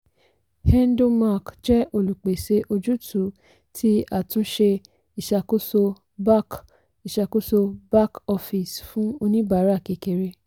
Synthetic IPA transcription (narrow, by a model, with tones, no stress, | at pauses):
hɛ˦n˦do˧ma˦˨kd͡ʒɛ˦ʔo˧lu˨k͡pe˨se˧ʔo˧d͡ʒu˦tʰu˨˦ | tʰi˦a˦˨tũ˧˦ʃe˧ | i˨ʃa˧˨ko˦so˧ | ba˦k | i˨ʃa˧ko˦so˧ba˦kɔ˧fi˨sfũ˨˦o˧nĩ˦ba˨˦ɾa˦˨ke˨ke˧˨ɾe˧